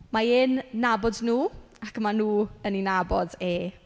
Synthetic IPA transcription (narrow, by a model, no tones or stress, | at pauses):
maenːabɔdnuː | akmanuːəninabɔdeː